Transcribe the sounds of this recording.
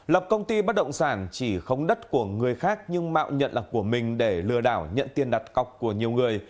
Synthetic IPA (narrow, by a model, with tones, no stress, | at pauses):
lə˨˩p̚kə˧wŋ͡mt̪i˧ɓt̚ɗə̰˧˨wŋ͡msaː˧˩nt͡ɕi˧˩xə˧wŋ͡mɗə˦˥t̚ku˧˩əŋɨ˨˩əjxaː˦˥k̚ɲɨ˧ŋma̰ː˧˨wɲə̰˧˨nlaː˨˩ku˧˩əmï˨˩ŋ̟ɗe˧˩lɨ˧əɗaː˧˩wɲə̰˧˨nt̪i˧ənɗa˨˩t̚ka˨˩wk͡p̚ku˧˩əɲi˨˩əwŋɨ˨˩əj